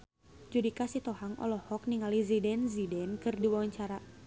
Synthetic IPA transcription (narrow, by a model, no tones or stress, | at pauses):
d͡ʒudikasit̪ɔhaŋʔɔ̰lɔhɔk̚niŋalizidɛnzidɛnkɨrdiwawaɲt͡ʃaɾa